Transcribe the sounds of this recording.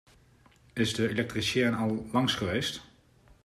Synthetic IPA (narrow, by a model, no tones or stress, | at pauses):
ɪzdəelɛk̚trisjɪːənɑlˠːɑŋsχəʋejst